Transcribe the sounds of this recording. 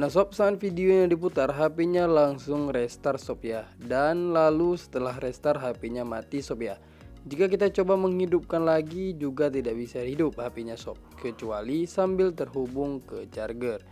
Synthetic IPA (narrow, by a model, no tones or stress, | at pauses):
nasɔp̚saːt̪fidioɲadip̬ut̪arɦapiɲalaŋsʊŋrɛst̪arsopiadanlalusə̥t̪əlahrɛst̪arɦapiɲamat̪isopia | d͡ʒikak̬it̪at͡ʃobaməŋɦhidup̚kanlaɡid͡ʒuɡat̪̬idaʔbisaɦidʊp̚hapiɲasɔ̰p̚kət͡ʃualisambɪlt̪ərɦubʊŋkət͡ʃarɡər